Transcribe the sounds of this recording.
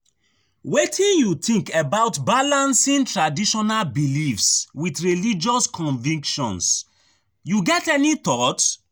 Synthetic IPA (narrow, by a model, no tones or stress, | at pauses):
wetʰĩnjut̪ʰĩŋkebaʊtbalãnsĩntɹadiʃɔnalbilifswitɹilid͡ʒɔskʰɔ̃nvĩŋkʃɔ̰̃ns | juɡɛtɛnit̪ɔt